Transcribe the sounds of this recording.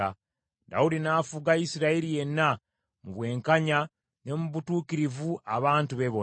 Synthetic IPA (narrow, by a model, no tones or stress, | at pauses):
a | da̰udinaːfuɡaisiɾaiɾije̞nːa | muβwe̞ːŋkaɲa | ne̞muβutuːkiɾivuaβaːntuβe̞βo